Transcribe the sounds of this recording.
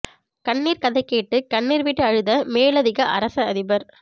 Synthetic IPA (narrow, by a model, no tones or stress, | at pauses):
kɐɳːiːɾkɐðɐɪkːeːʈːɯkɐɳːiːɾʋɪʈːɯɐɻɯðɐmeːɭɐðɪɣɐʔɐ̰ɾɐsɐɐðɪbɐɾ